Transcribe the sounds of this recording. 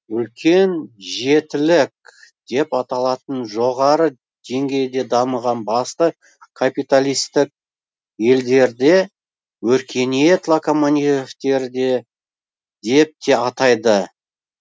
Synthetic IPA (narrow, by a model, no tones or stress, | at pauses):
ʏlkʲʰe̞nʒe̞t̪ɪlɪk̚d̪̥e̞pɑt̪ɑlˠɑt̪ənʒo̞ʁɑɾə | d̪̥e̞ŋɡʲe̞jd̪e̞d̪ɑməʁɑnbɑst̪ə | kʰapijt̪alʲijst̪ɪk̚ | je̞ld̪e̞ɾd̪e | wɵɾkʲʰe̞net̪lˠakomoanʲieft̪e̞ɾd̪e | d̪e̞p̚t̪ʰe̞ɑt̪ɑjd̪ə